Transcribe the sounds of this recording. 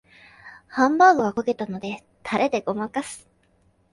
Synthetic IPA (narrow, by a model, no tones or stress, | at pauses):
hãmbaːɡɯ̟ɡakake̞t̪ano̞d̪e̞ | t̪ʰaɾʔe̞d̪e̞ɡo̞makasɨ̥